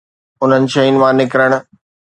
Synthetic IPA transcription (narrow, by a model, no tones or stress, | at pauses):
ʊn̤ənɪ̆ʃɐin̆ʋãːnɪkɾəɽ̃̆